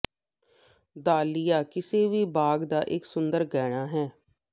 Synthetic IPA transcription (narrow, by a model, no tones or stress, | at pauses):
d̪aːlɪjaːkɪseːʋiːbaːɡd̪aːʔɪksʊnd̪əɾɡɛːɽaːɦɛː